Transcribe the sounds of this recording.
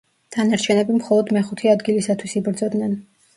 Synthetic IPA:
t̪ʰanaɾt͡ʃʰɛnɛbimχɔlˠɔd̪mɛχut̪ʰiad̪ɡilisat̪ʰwisibɾd̪zɔd̪nɛn

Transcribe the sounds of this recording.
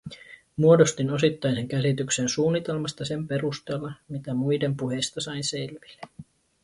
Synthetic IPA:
muo̞do̞st̪ino̞sit̪ːɑjse̞ŋk̟æsit̪yksensuːnːit̪e̞lmɑst̪ɑse̞mpe̞rust̪e̞ːlːɑmit̪æmujde̞mpuɦe̞jst̪ɑsɑinse̞lʋi̥lːe

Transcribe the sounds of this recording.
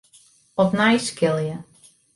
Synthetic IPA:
ɔpnajskɪlˠjə

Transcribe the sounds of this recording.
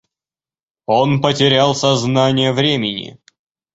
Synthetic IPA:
onpətʲɪɾʲalˠsɐznanʲɪjəvɾʲemʲɪnʲɪ̰

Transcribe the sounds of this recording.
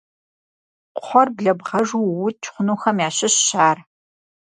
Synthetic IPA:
qʰʷɔrbɮɐbʁɐʒuwʊt̚t͡ʃʰχʷʊnuːxɐmjaːɕɪɕːaːr

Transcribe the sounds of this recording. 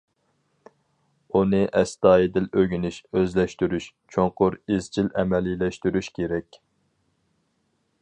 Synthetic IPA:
unɨʔɛst̪ɑːjid̪ɪløɡʲynyʃøzlɛʃt̪yɾyʃt͡ʃʰoŋqʊɾizt͡ʃilʔɛmɛlilɛʃt̪yɾyʃkʲʰeɾɛkʲ

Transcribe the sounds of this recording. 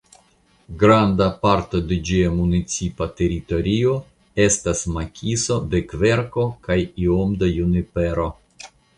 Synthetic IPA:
ɡɾandapaɾto̞de̞d͡ʒiamunit͡sipate̞ɾito̞ɾio̞ | e̞stasmakʲʰiso̞de̞kve̞ɾko̞kajiomd̪ajunipe̞ɾo

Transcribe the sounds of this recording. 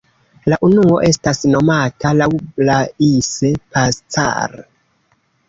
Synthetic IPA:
laʔunuo̞ʔe̞stasno̞matalawlaise̞past͡sa̰ɾ

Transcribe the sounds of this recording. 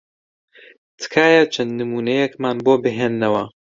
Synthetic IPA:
t̪ʰɨ̥kʰaːjɐt͡ʃʰɐnd̪nɨmuːnɐjɛkmaːnboːbɨɦeːnːɐwɐ

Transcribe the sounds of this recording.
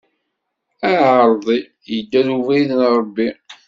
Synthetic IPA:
æəɾˤðˤi | jəd̪ːæðuvæðənɾˤəbːi

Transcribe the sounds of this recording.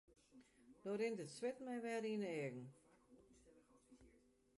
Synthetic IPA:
d̥oɾɪntətswɪtmɛjʋɛɾinəɛəɡŋ̩

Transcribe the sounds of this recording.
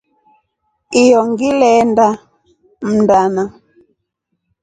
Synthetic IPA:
ijɔŋɡilɛnda | m̩ndana

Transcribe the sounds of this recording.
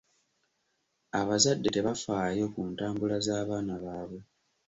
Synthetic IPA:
aβazadːe̞te̞βafaːjo̞ːkuːntaːmbulazaːβaːnaβaːβwe̞

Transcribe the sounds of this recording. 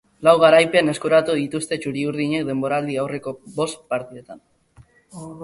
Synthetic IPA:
lawɣaɾajpe̞ane̞skuɾat̪uðit̪ust̪e̞t͡ʃuɾiuɾð̞iɲe̞k̚d̪e̞mbo̞ɾald̪iawre̞ko̞bo̞st̪paɾt̪iðet̪an

